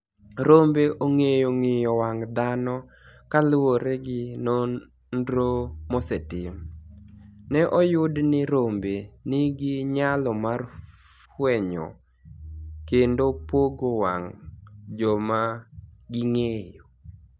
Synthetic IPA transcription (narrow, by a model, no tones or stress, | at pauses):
ɾombeʔoŋejoŋɪjɔwaŋd̪anɔ | kalwoɾeɡɪno | ndɾomɔsɛtɪm | nɛʔɔjʊdnɪɾombenɪɡɪɲalɔmar | fwɛɲɔ̰ | kendopoɡowaŋd͡ʒɔmaɡɪŋejo